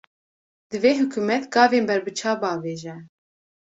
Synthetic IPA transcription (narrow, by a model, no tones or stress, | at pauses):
d̪ɨveːɦʊkʰuːmɛt̪ɡɑːveːnbɛɾbɨt͡ʃʰɑːbɑːveːʒɛ